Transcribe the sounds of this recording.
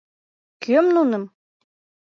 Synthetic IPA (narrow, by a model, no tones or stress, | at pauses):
kømnunɤ̆m